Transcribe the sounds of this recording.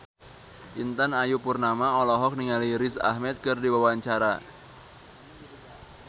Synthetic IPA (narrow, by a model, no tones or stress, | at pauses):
ʔint̪anajupurnamaɔlɔɦɔk̚niŋaliɾɪsa̰hmɛt̪̚kɨrdiwawaɲt͡ʃaɾa